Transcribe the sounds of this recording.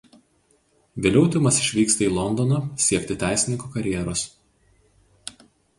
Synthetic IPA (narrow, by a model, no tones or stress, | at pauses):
ʋʲelʲɛʊt̪ʲʊmɐsɪʃʲʋʲiːkst̪ɐiːlˠɔnd̪ɔnɐsʲiɛkʲt̪ʲɪt̪ʲæˑɪsʲɪnʲɪŋkokɐɾʲjɛɛɾoːs